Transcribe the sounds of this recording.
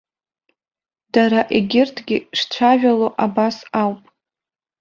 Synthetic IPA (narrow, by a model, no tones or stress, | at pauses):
daɾaʔeɡʲɪrtʰɡʲɪʂt͡ɕʷʰaʒᶣaloʔabasawpʼ